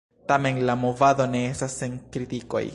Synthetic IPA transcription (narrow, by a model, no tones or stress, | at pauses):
tame̞nlamovad̪o̞ne̞estaseŋkɾitiko̞̰j